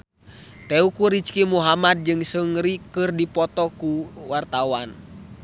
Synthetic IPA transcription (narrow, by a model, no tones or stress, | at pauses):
t̪ɛukuɾit͡ʃkimuɦamad̪̚d͡ʒɨŋsəŋɾikɨrdipɔt̪ɔkuwart̪awan